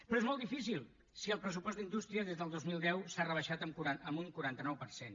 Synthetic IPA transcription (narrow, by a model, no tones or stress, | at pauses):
pɾɔezmɔlˠd̪ifis̬ilˠ | siəlˠpɾəsupɔzd̪ind̪ust̪ɾiəðezðəlˠd̪ozmilˠd̪ɛwsarəβ̞əʃat̪əmkuɾaəmuŋkuɾant̪ənɔwpəɾsen